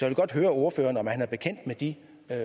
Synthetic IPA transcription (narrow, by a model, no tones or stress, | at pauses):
sɒʋ̝lɡ̥ɒ̽d̥ɦøːɐo̝ɐføːɐnɒ̽mhænæɐb̥e̝kʰen̰d̥med̥i